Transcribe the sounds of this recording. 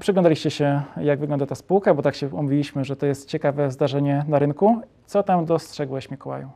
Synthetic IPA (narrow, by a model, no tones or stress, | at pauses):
pʂɨɡlɔnd̪alʲiɕt͡ɕɛɕɛjaɡvɘɡlɔnd̪at̪aspuwkabɔt̪akɕɛṵmuvʲilʲiɕmɘʐɛt̪ɔjɛst̪̚t͡ɕɛkavɛzd̪aʐɛɲɛnaɾɘnku | t̪sɔt̪amd̪ɔstʂɛɡwɛɕmʲikɔwa̰ju